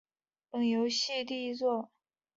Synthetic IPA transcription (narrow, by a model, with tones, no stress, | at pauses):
pɤ˥˩ŋjo˧˥ʊɕi˥˧t̪i˥˧i˧˥t͡swɔ˥˩